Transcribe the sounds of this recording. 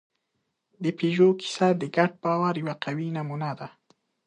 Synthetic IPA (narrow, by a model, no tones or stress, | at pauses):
d̪əpeʒokʰi̥sad̪əɡaʈ̚bɑwaɾjawaqawinamunad̪a